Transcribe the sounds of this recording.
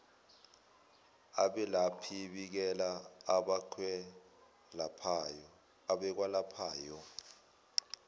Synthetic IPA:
aɓɛlapʰiɓik̬ɛlaːɓaǃʰwɛ | lapʰajɔ | aɓɛk̬walapʰaːjɔ

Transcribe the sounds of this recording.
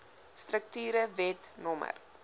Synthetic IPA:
strək̚tyːɾəvɛtnɔmə̰r

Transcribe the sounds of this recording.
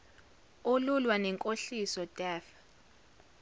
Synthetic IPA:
olulwanɛŋkʼoɬisɔd̥ʱɛːf

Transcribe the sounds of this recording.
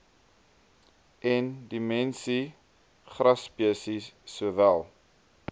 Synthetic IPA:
ʔɛndimɛnsi | χrɐspiəsisːuəvælˠ

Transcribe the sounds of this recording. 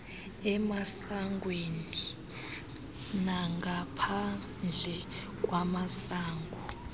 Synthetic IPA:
ɛmasaŋɡweni | naŋɡʱapʰa | nd͡ɮʱɛ | kʼwamasaːŋɡʱɔ

